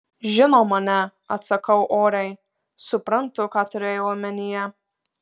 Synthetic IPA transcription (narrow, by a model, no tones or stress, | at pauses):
ʒʲɪnoːmɐnʲɛ | ɐt̪sɐkɐʊʔoːɾʲɛɪ | sʊpɾɐnt̪ʊkɑːt̪ʊɾʲeːjoʊɐmʲɛnʲɪjɛ